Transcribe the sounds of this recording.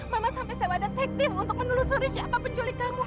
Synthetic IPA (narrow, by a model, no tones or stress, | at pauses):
mamasampɛsabadat̪ɛk̚t̪ɪmunt̪ʊk̚mənulusuɾisiapapʊɲt͡ʃulik̪amu